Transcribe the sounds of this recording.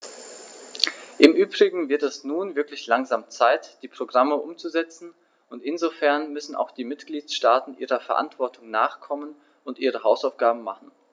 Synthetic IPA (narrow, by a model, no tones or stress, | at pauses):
ʔɪmʔyːbʁɪɡŋ̩vɪɐtɛsnuːnvɪɐklɪçlaŋzaːmt͡saɪtd̥iːpʁ̥oɡʁaməʔʊmt͡suzɛt͡sn̩ | ʊntɪnzofɛɐnmʏsn̩a̰ʊxd̥iːmɪtɡ̥liːtʃtaːtn̩ʔiːʁ̞ɐfɛɐʔa̰ntv̥ɔɐtʰʊŋnaːχkʰɔmən | ʊntʔiːʁəɦaʊsaʊfɡ̥aːbm̩maχn̩